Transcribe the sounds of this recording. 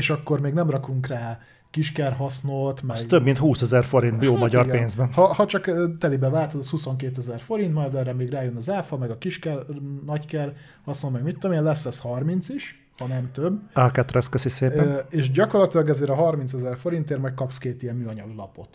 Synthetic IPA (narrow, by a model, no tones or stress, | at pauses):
eːʃɒkːo̞rmeːɡnɛmrɒkuŋkraː | kiʃkɛrɦɒsnot̪mɛɡt̪øbmint̪huːsɛzɛrfo̞ɾint̪bjoːmɒɟɒrɡpeːnzbɛnhɒhɒt͡ʃɒkːt̪ɛlibɛvaːlt̪od̪ɔshuso̞ŋkeːt̪ɛzɛrfo̞ɾint̪mɒjɾd̪ɛːrɛmeːɡraːjønɒzaːfɒmɛɡɒkiʃkɛrnɒckɛr | hɒsnolmɛɡmit̪ːo̞meːnlɛsːɛshɒrmint̪siʃ | hɒnɛmt̪øbːakɛt̪rɛskøsiseːpɛeːʃɟɒko̞rlɒt̪ilɒɡɛzeːɾɒɦɒrmint̪sɛzɛrfo̞ɾint̪eːrmɒjc̚kɒpskeːt̪ijɛmmyːɒɲɒɡlɒpo̞t̪